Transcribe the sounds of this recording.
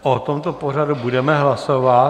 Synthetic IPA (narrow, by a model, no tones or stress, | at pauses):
ʔot̪omt̪opor̝adubudɛmɛɦlasovat